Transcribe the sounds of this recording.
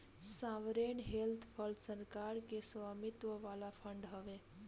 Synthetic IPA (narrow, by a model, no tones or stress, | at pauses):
saʋɾenɦelt̪ʰpʰəlsəɾkaɾkesʋamit̪ʋəʋalapʰəɳɖɦəʋe